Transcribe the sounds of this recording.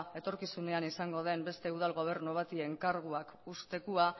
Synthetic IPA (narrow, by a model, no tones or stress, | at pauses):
e̞t̪o̞ɾkisuneanisaŋɡo̞ð̞e̞mbe̞st̪e̞uð̞alɣo̞β̞e̞ɾnuβ̞at̪ie̞ŋkaɾɣ̞uakust̪e̞kua